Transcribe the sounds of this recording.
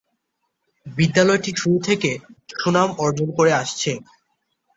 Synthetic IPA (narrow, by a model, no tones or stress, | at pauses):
bid̪ːalɔeʈiʃuɾut̪ʰekeʃunamɔɾd͡ʑonkoɾeaʃt͡ɕʰe